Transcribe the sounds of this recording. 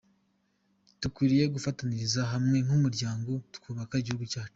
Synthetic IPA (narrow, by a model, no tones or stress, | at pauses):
tukwiːɾije̞ɡufataniɾizaɦamŋe̞ŋhumuɾɟaːŋɡo̞tu̥kʰuːβakaiɟihuɡucaːt͡ʃu̥